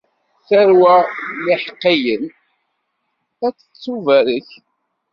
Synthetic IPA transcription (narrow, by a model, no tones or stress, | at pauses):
θəɾwæliħəqːijən | æt͡sːə̥t͡sːuvæɾəç